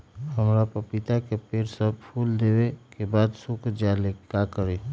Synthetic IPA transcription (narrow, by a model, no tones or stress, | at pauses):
həmɾapəpɪt̪akepeːɾsəbpʰuːld̪eːwekebaːd̪sʊkʰd͡ʒaːlekakəɾe